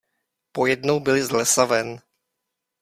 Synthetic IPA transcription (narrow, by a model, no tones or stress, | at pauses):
pojɛdnowbɪlɪzlɛsavɛn